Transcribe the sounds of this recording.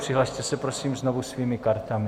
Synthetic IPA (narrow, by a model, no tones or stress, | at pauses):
pr̥ɪɦlaʃt̪ɛsɛpɾosiːmzno̞vusviːmɪkaɾt̪amɪ